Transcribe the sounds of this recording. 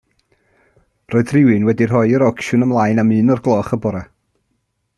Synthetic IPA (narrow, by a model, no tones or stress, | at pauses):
rɔːɨðrɪwɨnwɛdir̥ɔjəɾɔkʃʊnəmlˠajnamɨːnɔrɡlˠɔːχəbɔɾa